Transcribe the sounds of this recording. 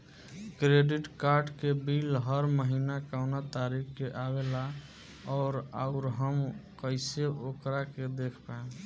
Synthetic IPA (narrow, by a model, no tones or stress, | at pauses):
kɾeɖiʈkaɾɖkebilɦəɾməɦinakaʊnat̪aɾikʰkeʔawela | ɔːɾa̰ʊɾɦəmkəɪseʔokɾaked̪ekʰpaẽ